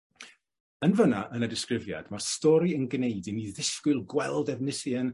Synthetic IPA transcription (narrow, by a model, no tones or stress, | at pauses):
ənvənaʔənadɪskrɪvja̰d̥marstɔɾiənɡneɨdiniðɪskwɨlˠɡwɛlˠdɛvnɪsən